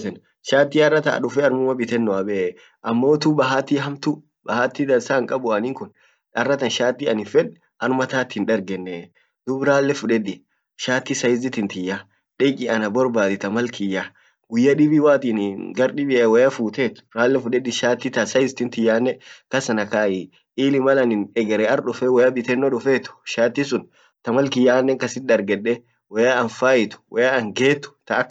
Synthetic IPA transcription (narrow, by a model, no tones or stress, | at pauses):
ɛn | ʃaːt̪ːiːɐrːɐt̪ɐ̰ːᶑʊfɛɐɾmʊmɐbɪt̪ɛnːɔɐbɛ | ʔɐmːo̞ːt̪ubɐɦaːt̪ːiɦɐmt̪u | bɐhaːt̪ːid̪ɐlsaŋkʼɐbʊɐnɪŋkʊn | ɐrːɐt̪ɐnʃaːt̪ːiɐnɪfɛᶑ | ʔɐɾmɐt̪aːt̪ɪnᶑɐɾɡɛnːɛ | d̪̥ʊbɾaːlːɛfʊᶑɛd̪ɪ | ʃaːt̪ːɪsɐjɪzɪt̪ɪnt̪ɪjːa | ᶑɪkʼɪɐnɐbɔɾbaːd̪ɪt̪ɐmɐlkɪjːa | ɡʊjːɐᶑɪbiwaːt̪iːnɡɐɾɗɪbɪɐwɔjafuːt̪eːt̪ʊ̥ɾaːlːɛfʊᶑɛd̪ɪʃaːt̪ːɪt̪ɐsɐjɪzɪt̪ɪnt̪ɪjːaːnːɛkɐsɐnɐkaːjɪ | ʔiːlɪmɐlɐnɪnɛɡɛɾɛɐɾɗʊfɛwɔjɐbɪt̪ɛnːɔᶑʊfeːt̪ʊ̥ʃaːt̪ːɪsʊn | t̪ɐmɐlkɪjːaːnːɛŋkɐsɪnd̪ɐɾɡɛᶑːɛ | wɔjaɐnfaːjɪt̪ʊ̥wʔɔjaɐŋɡe̞ːt̪ːʊ̥t̪ɐːkː